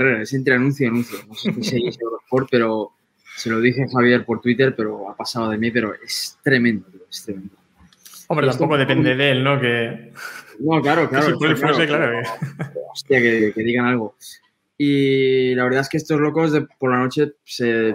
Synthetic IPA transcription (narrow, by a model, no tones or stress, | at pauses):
reesent̪ɾeanũn̟θjoanũn̟θjonosekeseɣisoβɾompo̞ɾ̚pe̞ɾo̞ | se̞lo̞ð̞iθe̞xaβ̞jeɾpo̞ɾt̪wit̪e̞ɾpe̞ɾo̞apasaðoð̞e̞mipe̞ɾo̞ʔe̞st̪ɾe̞mẽnd̪oest̪ɾemẽnd̪o | ombɾeet̪samt̪okoðeped̪eðelnoke | no̞klaɾo̞klaɾoooeklaɾo | ost̪jakeke̞ðiɣanalɣ̞o̞ | ilaβ̞e̞ɾðaeskeest̪o̞zlo̞ko̞zðepo̞ɾlano̞t͡ʃe̞se̞